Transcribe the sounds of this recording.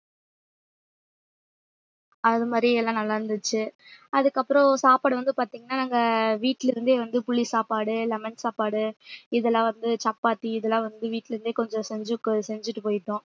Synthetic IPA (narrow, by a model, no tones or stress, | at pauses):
ɐðɯmaːd̪ɾiɛlːãːnɐlːaːɾɯnd̪ɯt͡ʃːɯ | ɐðɯkːɐpːɯɾɔ̃saːpaːɽɯʋɐnd̪ɯpaːɾt̪iːŋɡɐnːaːnaːŋɡɐʋiːʈːɪlɪɾɯnd̪eːʋɐnd̪ɯpʊɭːisaːpaːɽɯlɛmɛnsaːpaːɽɯɪðɛlːãːʋɐnd̪ɯt͡ʃɐpːaːʈ̪ːiɪðɛlːãːʋɐnd̪ɯʋiːʈːɪlɪɾɯnd̪eːkɔɲd͡ʒɔ̃sɛɲd͡ʒɯkːɯsɛɲd͡ʒɪʈːɯpoːjɪʈːõː